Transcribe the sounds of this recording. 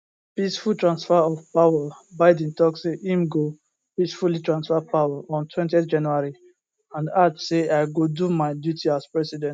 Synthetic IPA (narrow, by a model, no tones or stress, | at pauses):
pisfultɹãnsfɛɔvpawəbaɪdɛ̃n̩tɔkseʔĩmɡo | pisfulitɹãnsfɛpawəʔɔ̃ntʰwɛ̃ntiɛfd͡ʒãnuaɹi | ãndatseaɪɡodumaɪdjutiaspɹɛsidɛ̃nt